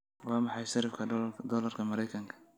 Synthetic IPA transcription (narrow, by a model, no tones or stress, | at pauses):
wɑːmɑħɑjʃɐɾɪfkʰɐd̪ɔːlɐrkʰɐmɐɾɛjkʰɐŋkʰɐ̥